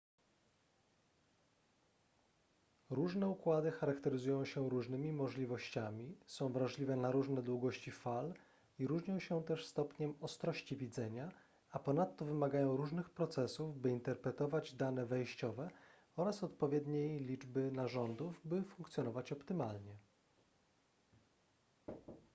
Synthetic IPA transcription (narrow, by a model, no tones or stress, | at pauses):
ɾuʐnɛukwad̪ɘxaɾakt̪ɛɾɘzujɔ̃w̃ɕɛɾuʐnɘmʲimɔʐlʲivɔɕt͡ɕamʲisɔ̃w̃vɾaʐlʲivɛnaɾuʐnɛd̪wuɡɔɕt͡ɕifal | iɾuʐɲɔ̃w̃ɕɛt̪ɛʂst̪ɔpɲɛmɔst̪ɾɔɕt͡ɕivʲid̪zɛɲa | apɔnat̪ːɔvɘmaɡajɔ̃w̃ɾuʐnɘxpɾɔt̪sɛsuvbɘint̪ɛɾpɾɛt̪ɔvad͡ʑd̪anɛvɛjɕt͡ɕɔvɛ | ɔɾasɔt̪pɔvʲjɛd̪ɲejlʲid͡ʐbɘnaʐɔnd̪uvbɘfuŋkt̪sʲjɔnɔvat͡ɕɔpt̪ɘmalɲɛ